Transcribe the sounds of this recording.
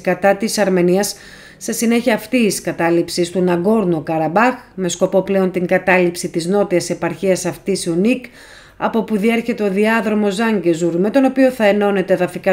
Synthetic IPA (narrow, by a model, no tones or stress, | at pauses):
kɐt̪ɐt̪isɐɾme̞niɐsː | e̞sine̞çiɐːft̪iːskɐt̪ɐlipsist̪unɐɡo̞ɾnukɐɾɐbɐxme̞sko̞po̞ple̞o̞nt̪iŋɡɐt̪ɐlipsit̪izno̞t̪iɐse̞pɐɾçiɐsɐft̪isiunik | ɐ̰po̞puðie̞ɾçe̞t̪e̞o̞ðiɐðɾo̞mo̞zɐɲɟe̞zuɾme̞t̪o̞no̞pio̞θɐe̞no̞ne̞t̪eðɐfikɐ